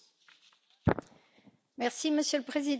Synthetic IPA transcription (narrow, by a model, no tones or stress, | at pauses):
mɛʁsiməsjələpχezid̪